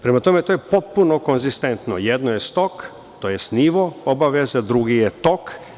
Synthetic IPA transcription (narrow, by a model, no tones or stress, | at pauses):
pɾemat̪o̞me̞t̪ojepot̪̚puno̞konzist̪ent̪no̰jed̪nojest̪o̞k | t̪ojesniʋoobaʋezad̪ɾuɡijet̪o̞k